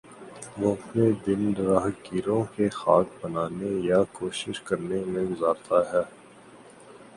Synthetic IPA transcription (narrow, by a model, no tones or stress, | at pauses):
ʋoɐpned̪ɪndɾaːɦkiːɾõkexaːk̚bənaːnejakoːʃɪʃkɐɾnemẽɡʊzaːɾt̪aɦɛː